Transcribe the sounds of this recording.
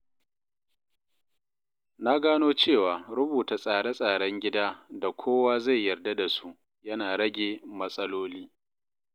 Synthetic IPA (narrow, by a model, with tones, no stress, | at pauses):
na˦ɡaː˦noː˦t͡ʃeː˦˨waː˨ɽʊ˦buː˨ta˨sʼaː˨ɽe˦sʼaː˨ɽɐ˦ŋɡʲɪ˦daː˦da˨kʷʰoː˦waː˦za˦˨jːɐ˨rda˦da˨su˦ʔ | jɐ˦naː˨ɽɐ˦ɡʲeː˨mɐ˦sʼɐ˦loː˦liː˦